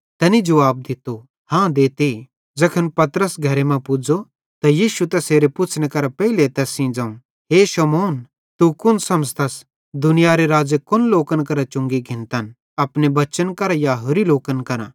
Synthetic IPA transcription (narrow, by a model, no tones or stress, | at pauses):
t̪ɐnid͡ʒɐʋaːb̚d̪ɪt̪o | hãːd̪eːt̪i | d͡zɐkʰənpɐt̪ɾəsɡʱɐɾemɛ̃pʊd͡ʒo | t̪ɐjiːʃut̪ɛseːɾepʊt͡ʃʰnekɐɾapɛɦɪlet̪ɛsĩd͡ʒãːũ | ɦeːʃɐmoːn | t̪ukʊnsɐ̃mst̪ɐs | d̪ʊnɪjaɾeɾaːd͡ʒekʊnloːkənkɐɾat͡ʃʊ̃ŋɡiɡʱɪ̃nt̪ən | ɐpnebɐt͡ʃənkɐɾajaɦʊɾiloːkənkɐɾã̰